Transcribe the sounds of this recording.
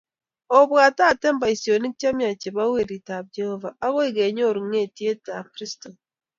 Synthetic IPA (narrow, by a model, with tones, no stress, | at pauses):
o˨bwa˨ta˦˨tɛ˦mba˨i˨sjo˨ni˦k̚t͡ʃa˦mja˨t͡ʃe˨ba˦we˦˨ɾi˨ta˨b̚d͡ʒe˦hɔ˦va˨a˦ɣo˦i˦˨ɡe˨ɲo˦˨ɾu˨ŋe˦˨ti˦e˦ta˨pɾi˦sto˨